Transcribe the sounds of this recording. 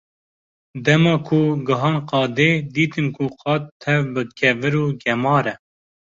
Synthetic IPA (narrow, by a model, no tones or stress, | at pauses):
d̪ɛmɑːkʰuɡɨɦɑːnqɑːd̪eːd̪iːt̪ɨnkʰuqɑːt̪̚t̪ʰːɛvbɨkʰɛvɨɾuːɡɛmɑːɾɛ